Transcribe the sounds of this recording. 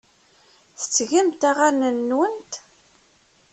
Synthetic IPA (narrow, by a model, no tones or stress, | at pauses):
θə̥t͡sːʝimt̪aʁanənːwənt̪